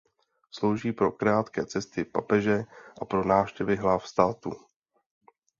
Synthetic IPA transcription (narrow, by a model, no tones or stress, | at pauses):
slo̞wʒiːpɾo̞kɾaːt̪kɛːt͡sɛst̪ɪpa̰pɛʒɛʔapɾo̞naːfʃcɛvɪɦlafst̪aːt̪u